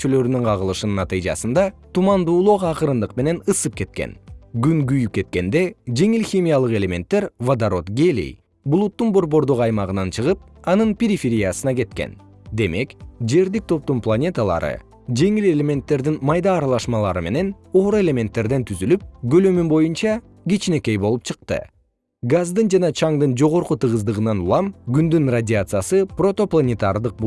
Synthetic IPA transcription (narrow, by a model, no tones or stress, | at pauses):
t͡ʃylø̞ɾynyɴqʰɑʁɯlˠɯʃɯnnːat̪ɨjd͡ʒɑ̰sɯnd̪ɑt̪umɑnd̪uːlˠoqɑɑqɯɾɯnd̪ɯqme̞ne̞nɯsɯp̚ke̞t̪̚ke̞̰nɡyŋɡyjyp̚ke̞t̪̚ke̞nd̪e̞d͡ʒe̞ŋilxʲimʲijalˠɯqe̞lʲe̞mʲe̞nt̪ːe̞ɾvad̪aɾo̞t̪ɡʲelʲḭj | bulˠut̪ːunbo̞ɾbo̞ɾd̪oqɑjmɑʁɯnɑnt͡ʃʰɯʁɯp̚ | ɑnɯnpʲeɾʲifʲeɾʲijasɯnɑke̞t̪ke̞̰n | d̪e̞me̞kd͡ʒe̞ɾd̪ik̚t̪ʰo̞p̚t̪unplˠanʲe̞t̪alˠɑ̰ɾɯ̰ | d͡ʒe̞ŋile̞lʲe̞mʲe̞nt̪ːe̞ɾd̪inmɑjd̪ɑːɾɑlˠɑʃmɑlˠɑ̰ɾɯme̞ne̞n | o̞ːɾue̞lʲe̞mʲe̞nt̪ːe̞ɾd̪e̞nt̪ʰyzylyp̚ɡø̞lømymbo̞junt͡ʃɑ | ɡit͡ʃine̞ke̞jbo̞lˠup̚t͡ʃʰɯq̚t̪ɯ̰ | ɡazd̪ɯnd͡ʒɑnɑt͡ʃʰɑŋd̪ɯnd͡ʒo̞ʁo̞ɾqut̪ɯʁɯzd̪ɯʁɯnɑnulˠɑmɡynd̪ynradʲɪat̪sɨjasɯpro̞t̪o̞plˠanʲet̪ard̪ɯq̚